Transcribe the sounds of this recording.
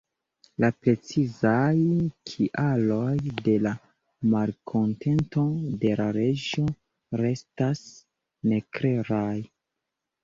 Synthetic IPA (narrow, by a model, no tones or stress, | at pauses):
lapɾe̞t͡sizajkʰiʔalo̞jde̞la | malkʰo̞ntʰe̞nto̞de̞laɾe̞d͡ʒo̞ | ɾe̞stas | ne̞kɾe̞ɾaj